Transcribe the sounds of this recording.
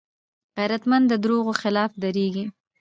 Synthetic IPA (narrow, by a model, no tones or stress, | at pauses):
ɣajɾat̪mand̪ːəd̪ɾoɣoxɪlɑfd̪aɾeɡi